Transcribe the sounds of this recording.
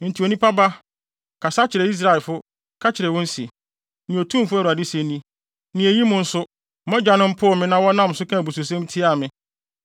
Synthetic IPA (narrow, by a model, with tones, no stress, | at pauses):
n̩˨tʰi˨o˨nĩ˦pa˦ba˦ | kʰa˨sa˦t͡ɕʰɪ˨ɾɛ˨i˦s̬ɾa˦˨lfʊ˦ | kʰa˦t͡ɕʰɪ˨ɾɛ˨wʊ̃˦n̩˦si˨ | nɪ̃˨o˨tʰũ˦m˨fʊ˦æ˨ɾu˨a˨dɪ˦se˦nĩ˦ | nɪ̃˨e˨ji˦mʊ̃˨n̩˦sʊ˦ | mɔ̃˦d͡ʑᶣa˨nʊ̃˦m̩˦pʰʊ˦˨mɪ̃˦nã˦wɔ˦nã˦m˨sʊ˦kʰã˦˨bu˨su˨s̬ɛ̃˦m˦tʰi˦a˨mɪ̃˦